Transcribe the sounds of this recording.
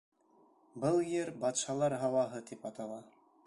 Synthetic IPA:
bɤlˠjeɾbɑt̪ʃɑlˠɑɾɦɑwɑɦɤt̪ipɑt̪ɑlˠɑ

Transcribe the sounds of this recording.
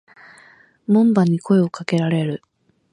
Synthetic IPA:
mõ̞mbaɲ̟ikʰo̞e̞o̞kake̞ɾaɾe̞ɾɯ̟

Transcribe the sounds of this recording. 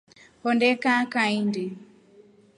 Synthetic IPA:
hɔndɛkakaindi

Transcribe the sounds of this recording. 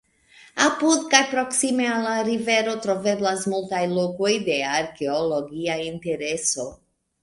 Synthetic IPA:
apud̪kajpɾoksimealaɾiveɾot̪ɾoveblasmult̪ajlokojd̪eaɾkeoloɡiaint̪eɾeso

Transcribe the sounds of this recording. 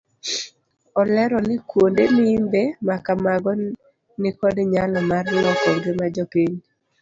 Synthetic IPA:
ɔlɛɾɔnɪkwondenɪːmbemakamaɡɔ | nɪkɔdɲalɔmarlɔkɔɡɪmad͡ʒɔkeɲ

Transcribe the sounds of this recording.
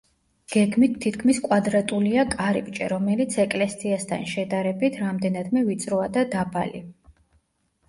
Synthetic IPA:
ɡ̥ɛɡmit̪ʰːit̪ʰkʰmiskʼwad̪ɾat̪ʼuliakʼaɾḭpʼt͡ʃʼɛɾɔmɛlit̪sʰɛkʼlɛsʼiast̪ʰa̰nʃɛd̪aɾɛbit̪ʰɾamd̪ɛnad̪mɛvit̪sʼɾɔad̪ad̪abalḭ

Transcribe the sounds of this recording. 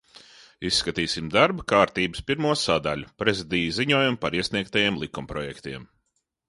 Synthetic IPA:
isːkat̪iːsimd̪aɾbɐkaːɾt̪iːbɨspiɾmuɔsad̪aʎʲupɾezid̪iːjziɲuɔːjumpaɾiɛsniɛk̚t̪ajeɛmlˠikumpɾɔjɛkt̪iɛm

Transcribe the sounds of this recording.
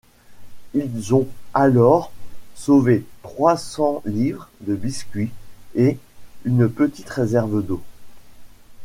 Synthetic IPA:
ilzɔ̃alɔʁsovet̪χwasɑ̃livʁd̪əbiskʲɥie | ynpət̪i̥t̪ʁezɛʁvəd̪o

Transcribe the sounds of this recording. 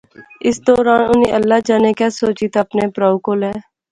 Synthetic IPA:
ɪsd̪ɔːɾaːnʊneʔəlːaːd͡ʒaːnekasoːt͡ʃit̪əpneːpɾaːʊkoːlɛː

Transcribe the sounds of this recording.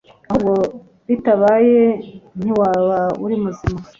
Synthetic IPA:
ahuɡo | βitaβajen̥iwaːβaṵɾimuzima

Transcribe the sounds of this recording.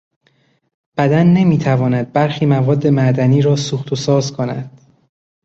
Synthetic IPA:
b̥æd̪ænːemiːt̪ʰævɒːnæd̪̚bæɾxiːmævɒːd̪ːe̞mæʔd̪æniːɾɒːsuːxt̪ʰosɒːzkʰo̞næ̰d̪̥

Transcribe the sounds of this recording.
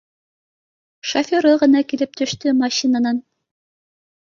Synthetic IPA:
ʃɐfʲoɾɤʁɤ̆nɑkilɘp̚t̪ʰɵ̆ʃt̪ɵmɑɕinɑnɑn

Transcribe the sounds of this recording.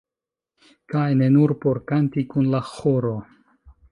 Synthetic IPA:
kajne̞nuɾpo̞ɾkantikunlaxoɾo

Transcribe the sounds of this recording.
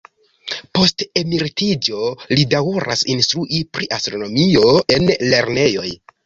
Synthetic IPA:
po̞ste̞miɾtid͡ʒo̞lidawuɾʔa̰sinstɾuʔipɾiʔastɾo̞no̞mio̞e̞nle̞ɾne̞jo̞j

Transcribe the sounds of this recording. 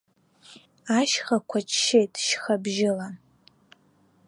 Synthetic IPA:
aʃχɐkʷʰat͡ʃʰʼʃejtʰʼʃxɐbʒɪlan

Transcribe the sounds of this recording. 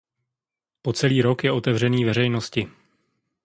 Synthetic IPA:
po̞t͡sɛliːɾo̞kjɛʔo̞t̪ɛvr̝ɛniːvɛɾ̝ɛjno̞scɪ

